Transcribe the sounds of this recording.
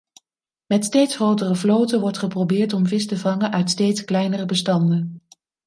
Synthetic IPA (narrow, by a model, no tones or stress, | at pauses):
mɛtstejtsχrowtərəvlowtəʋɔɹtχəprowbɪːɹtɔmvɪstəvɑŋənʔœɥtstejtsklɛjnərəbəstɑndən